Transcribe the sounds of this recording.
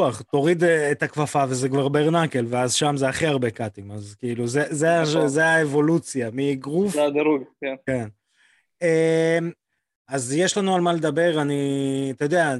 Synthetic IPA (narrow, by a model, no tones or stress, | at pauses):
aχt̪o̞ʁid̪et̪akvafave̞zekvaʁbeʁnake̞lveazʃamzeaχiaʁbe̞kat̪imazkiiluzezeazeaevo̞lut͡sjamiɡʁufad̪aɾuɡkenken | em | azje̞ʃlanualmaled̪abe̞ʁaniat̪ajod̪ea